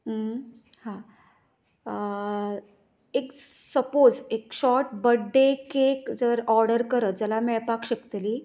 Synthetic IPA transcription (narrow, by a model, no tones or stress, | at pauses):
hã | eksəpod͡zekɕɔɾʈ̚bəɖːekekd͡zəɾɔɾɖəɾkəɾət̪̚d͡zəlameɭpakɕəkt̪li